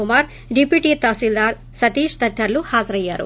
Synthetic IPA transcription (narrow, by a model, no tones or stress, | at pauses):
umaːɾ | ɖipiːʈit̪aːsild̪aːɾ | sɐt̪iːʃd̪ɐd̪ʱjɐɾluhaːzɐɾɐjːaːɾṵ